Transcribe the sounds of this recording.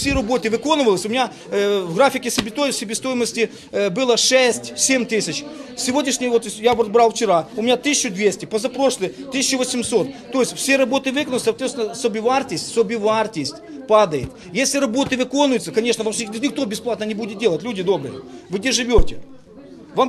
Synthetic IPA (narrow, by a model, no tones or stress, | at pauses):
fsʲeɾɐbo̞t̪ɨvɨko̞nɨvəlˠəsʲʊmʲɪnʲa | vɣɾafʲɪkʲɪsʲəbʲɪt̪osʲɪbʲɪst̪o̞jɪməsʲtʲɪ | bɨlˠəʂɛsʲtʲsʲemʲt̪ɨsʲɪt͡ɕfsʲɪvo̞dʲnʲɪʂnʲɪjəvot̪ʲjaot̪bɾalˠft͡ɕɪɾaʊmʲɪnʲat̪ɨsʲɪɕːʊd̪vʲesʲtʲɪpəzɐpɾo̞ʂlˠɨjt̪ɨsʲɪt͡ɕːʊvəsʲɪmso̞t̪ːo̞jɪsʲfsʲeɾɐbo̞t̪ɨvɨkənlˠʲsɐːt̪vʲet̪t̪ʲɪnəsobʲɪvartʲɪsʲtʲsobʲɪvart̪ʲɪsʲtʲpad̪əjɪt̪ | jesʲlʲɪɾɐbo̞t̪ɨvɨko̞nʊjʊt̪səkɐnʲeʂnəvɐpsʲnʲɪk̚t̪o̞bʲɪsplˠat̪nənʲɪbudʲɪt̪̚dʲe̞lˠətʲlʲudʲɪd̪o̞bɾɨjɪ̰vɨɡdʲeʐɨvʲotʲɪ | vam